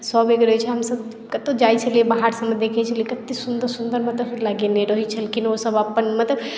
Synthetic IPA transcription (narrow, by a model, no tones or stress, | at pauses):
sɔbeɡɾɦt͡ʃʰɛɦəmsəb | kət̪od͡ʒajt͡ʃʰəliebaɦaɾsəməd̪ekʰɛt͡ʃʰəliekət̪isund̪əɾsund̪əɾmət̪ləblaɡeneɾəɦit͡ʃʰəlkinosəbapːənmət̪ləb